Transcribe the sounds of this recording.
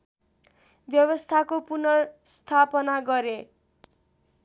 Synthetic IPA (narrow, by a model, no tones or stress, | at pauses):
bjʌwʌst̪ʰakopunʌst̪ʰapʌnaɡʌɾe